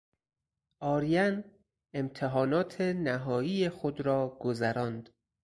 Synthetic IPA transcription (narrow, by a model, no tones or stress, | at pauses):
ʔɒːɾijæn | emt̪ʰeɦɒːnɒːt̪ʰenæɦɒːiːjexod̪ɾɒːɡ̥ozæɾɒːnd̪̥